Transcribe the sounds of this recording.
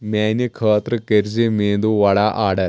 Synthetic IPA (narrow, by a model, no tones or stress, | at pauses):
mɛnikʰəːt̪ɾəkeɾd͡ʑemeːnd̪uʋaɽaʔaːɽəɾ